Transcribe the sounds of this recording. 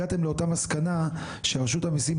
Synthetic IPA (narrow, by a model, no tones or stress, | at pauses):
at̪e̞mleo̞tamaskana | ʃeaʁʃuthamisim